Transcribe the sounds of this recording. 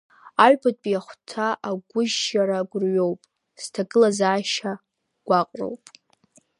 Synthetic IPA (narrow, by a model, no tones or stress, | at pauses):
aɥᶣbatʼpʼjaχʷtʰaʔaɡʷʊʒaɾaɡʷʊrɥowpʼ | stʰaɡʼɨlazaːʃa | ɡ̥ʷaqʼro̰wpʼ